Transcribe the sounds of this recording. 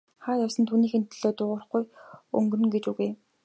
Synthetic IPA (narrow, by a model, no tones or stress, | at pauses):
χaːj̪ɔsə̆nt̪ʰuːniːxen̥t̪ːɘ̆ɮoːt̪ʊʁʊ̆ːrχɡujɵ̰ŋɡɵ̆rɵ̆ŋɡet͡ɕuɣuj